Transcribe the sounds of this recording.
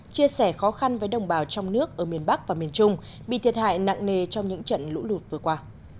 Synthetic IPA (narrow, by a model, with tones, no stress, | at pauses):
t͡ɕi˧əsɛ˧˩xɔ˨˦xa˧nvəː˨˦jɗə˨˩wŋ͡mɓaː˨˩wt͡ɕɔ˧wŋ͡mnɨ˦˥ək̚ʔəː˧˩mi˨˩ənɓa˦˥k̚vaː˨˩mi˨˩ənt͡ɕʊ˧ŋ͡m | ɓḭ˧˨t̪ʰi˨˩ət̚ha̰ː˧˨jna̰ː˧˨ŋne˨˩t͡ɕɔ˧wŋ͡mɲɨ̰˧˥ŋt͡ɕə̰˧˨nlṵ˧˥lu˨˩t̚vɨ˨˩əkwaː˧